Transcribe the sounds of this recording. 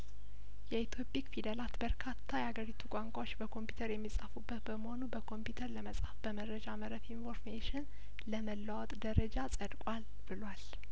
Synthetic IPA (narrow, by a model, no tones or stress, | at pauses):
jɛit̪ʰo̞pʼikfid̪əlat̪bəɾkʰat̪ʰːajɛhaɡəɾit̪ʰukʷʼaŋkʷʼawo̞t͡ʃːbəkʰo̞mpju̥t̪ʰəɾjɛmːisʼafubːət̪bəməho̞nubəkʰo̞mpjut̪ʰəɾləməsʼhafb̥əməɾəd͡ʒaməɾəfinfo̞ɾmeʃɪn | ləməlːawɔt̪ʼd̪əɾəd͡ʒasʼəd̪kʼal | b̥ɨlwal